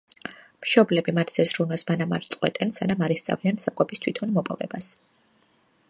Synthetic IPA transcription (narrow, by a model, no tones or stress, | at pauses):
mʃɔblɛbimat̪ʰsɛzɾunɛsmanama̰ɾt̪sʼqʼwɛt̪ʼɛnsanamaɾist̪sʼa̰viansakʼɔbist̪ʰwit̪ʰɔnmɔpʼɔvɛ̰bas